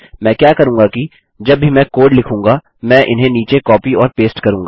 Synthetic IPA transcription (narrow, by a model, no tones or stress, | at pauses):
mɛ̃ːkjaːkɐɾũːŋɡaki | d͡ʒɐbʱimɛ̃ːkoːɖlɪkʰũːŋɡa | mɛ̃ːʔɪnɦẽniːt͡ʃekɔːpiɔːɾpeːsʈkɐɾũːŋɡaː